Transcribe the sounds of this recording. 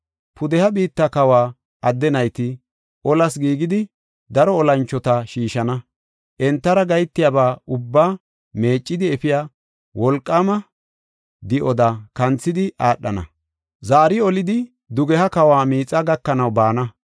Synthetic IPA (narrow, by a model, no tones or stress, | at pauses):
pʰʊd̪ɛhɐbiːt̪ːɐkɐwaː | ɐd̪ːɛnɐjt̪ɪ | ʔɔlɐsɡiːɡɪd̪ɪ | d̪ɐɾɔːlɐnt͡ʃːɔt̪ɐʃiːʃɐnɐ | ʔɛnt̪ːɐɾɐɡɐjt̪ːɪjabaːʊbːaː | me̞ːt͡ʃʼːɪd̪ɪɛfɪjaː | wɔlkʼːɐmɐ | d̪ɪʔɔd̪ɐkɐnt͡sːɪd̪ɪʔaːɗːɐ̰nɐ̰ | zaːɾɪɔlɪd̪ɪ | d̪ʊɡɛhɐkɐwaːmiːt͡sʼːɐɡɐkːɐnɐwbaːnɐ